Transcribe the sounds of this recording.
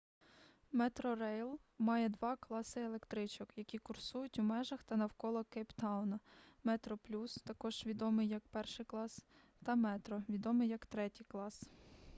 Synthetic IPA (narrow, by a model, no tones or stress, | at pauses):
mɛt̪ɾɔrɛjlˠmɑjɛd̪ʋɑklˠɑsɪelˠekt̪ɾɪt͡ʃɔkjɐkʲikʊrsujʊtʲwmɛʒɐxt̪ɐnɐwkɔlˠɔkɛjpt̪ɑwnɐmɛt̪ɾɔplʲust̪ɐkɔʒ̥ʋʲid̪ɔmɪjːɐk̚pɛrʃɪjklˠɑs | t̪ɐmɛt̪ɾɔʋʲid̪ɔmɪjɐkt̪ɾɛtʲijklˠɑs